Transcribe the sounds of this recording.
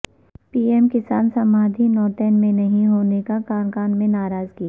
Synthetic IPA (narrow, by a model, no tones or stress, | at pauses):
piːɛmkɪsaːnsɐmaːd̪ʱinɔːt̪ɛːnmẽnɐɦĩɦoːnekakaːnkaːnmẽnaːɾaːzkia